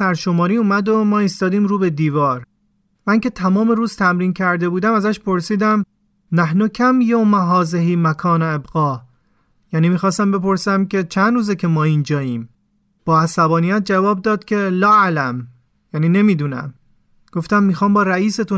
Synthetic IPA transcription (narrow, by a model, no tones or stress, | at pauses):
æɾʃo̞mɒːɾiːuːmæd̪omɒːist̪ɒːd̪iːmɾuːbe̞d̪iːvɒːɾ | mænce̞t̪ʰæmɒːme̞ɾuːz̥t̪ʰæmɾiːncʰæɾd̪e̞buːd̪æmæzæʃpʰo̞ɾsiːd̪æm | næhnocʰæmjomæɦɒːzeɦiːmækʰɒːneebɣɒː | jæniːmiːxɒːst̪æmbe̞po̞ɾsæmcʲʰe̞t͡ʃʰænd̪ɾuːzecʰe̞mɒːind͡ʒɒːjiːm | b̥ɒːhæsæbɒːnijæt̪̚d͡ʒævɒːb̚d̪ɒːd̪̚cʲʰe̞lɒːælæm | jæniːne̞miːd̪uːnæ̰m | ɡ̥oft̪æmːiːxɒːmbɒːɾæiːse̞t̪u